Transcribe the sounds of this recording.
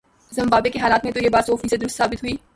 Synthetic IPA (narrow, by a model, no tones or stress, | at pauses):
zɐ̃mbaːbekeɦaːlaːt̪mẽt̪ojeːbaːt̪soːfiːsəed̪ʊɾʊst̪saːbɪt̪ɦuiː